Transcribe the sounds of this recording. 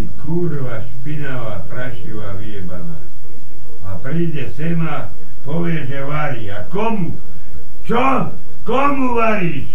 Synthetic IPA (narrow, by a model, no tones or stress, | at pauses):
ikʰuːɾoʋaʃpinaʋapraʃiʋaʋiebana̰ | ɑ̰priːd̪esema | poʋeseʋaɾia̰komu | t͡ʃo | komuʋaɾis